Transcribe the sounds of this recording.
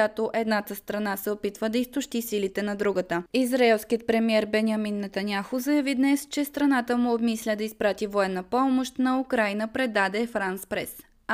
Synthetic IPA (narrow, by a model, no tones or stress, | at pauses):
at̪oʔɛd̪nat̪əst̪ɾɐnasɛopit̪vəd̪ɐist̪ʊʃt̪isilit̪ɛnɐd̪ɾuɡət̪əizɾɐɛlˠsk̟ijət̪̚pɾɛmiɛɾbɛnʲiɐminːɐt̪ɐnʲjaxʊzɐjɐvid̪nɛst͡ʃɛst̪ɾɐnat̪əmʊobmislʲəd̪ɐispɾat̪ivoɛnːəpɔmoʃt̪nɐukɾajnəpɾɛd̪ad̪ɛfɾanspɾɛs